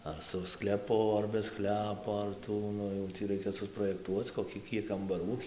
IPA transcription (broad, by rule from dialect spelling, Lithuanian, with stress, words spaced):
ɐr sʊ sklʲɛˈpʊ ɐr bʲɛ ˈsklʲæːpoː ɐr ˈtuː ˈnʊ jɛʊ ˈtʲiː ˈrɐɪkʲɛ sʊproːjɛkˈtuɔt͡s koːˈkʲiː ˈkʲiɛk kɐmbɐˈruː